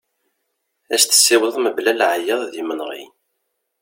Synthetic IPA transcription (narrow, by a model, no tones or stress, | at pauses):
æst̪ə̥sːɪwəðˤməblælʕjəððimənʁḭn